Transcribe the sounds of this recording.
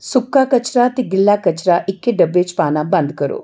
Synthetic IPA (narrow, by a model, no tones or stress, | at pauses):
sukːaːkɐt͡ʃɾat̪iɡilːaːkɐt͡ʃɾaʔikːeɖɐbːeːt͡ʃpaːnɐbɐnd̪̚kɐɾṵ